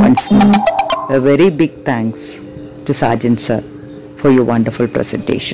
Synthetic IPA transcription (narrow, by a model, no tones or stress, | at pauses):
ʋʌ̰̃nsmɔːnəʋɛɾibɪɡ̚t̪ʰæ̃ŋks | ʈusa̰ːd͡ʒə̃nsəɾ | fɔɾjɔːʋʌ̃ɳɖəɾfʊlpɾɛ̰sɛ̰̃ɳʈḛːʃə̃n